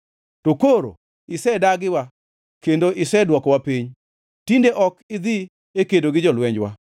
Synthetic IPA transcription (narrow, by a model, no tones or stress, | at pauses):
tokoɾo̰ | ɪsɛdaɡɪwa | kendoʔɪsɛdwɔkɔwapiɲ | tindeʔɔkɪd̪ɪ | ekedoɡɪd͡ʒɔlwɛɲd͡ʒwa̰